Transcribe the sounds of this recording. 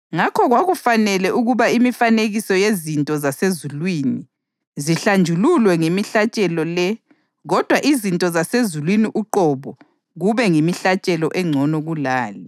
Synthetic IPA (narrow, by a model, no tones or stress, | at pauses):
ŋakʰɔɣwaɣufanɛlɛʔuɣuβaimifaneɣisɔjezintʼɔzasezulwiːni | ziɬand͡ʒʱululwɛŋemiɬat͡ʃʼɛlɔlɛ | ɣɔd̥ʱwaʔizintʼɔzasezulwiniʔuǃɔβɔ | ɣuβɛŋemiɬat͡ʃʼɛlɔʔɛŋ͡ǀʱɔnɔɣulaːli